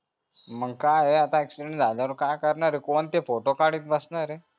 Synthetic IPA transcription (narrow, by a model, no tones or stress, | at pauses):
məɡkajeat̪ãeksʈɾend͡zʱajljaʋəɾkajkəɾɳaɾekont̪efoʈokaɽiːt̪̚bəsɳaɾe